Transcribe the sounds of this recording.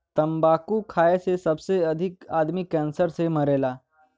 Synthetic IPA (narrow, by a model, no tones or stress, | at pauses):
t̪əmbakuːkʰajesesəbseəd̪ʱikad̪miːkænsəɾseməɾela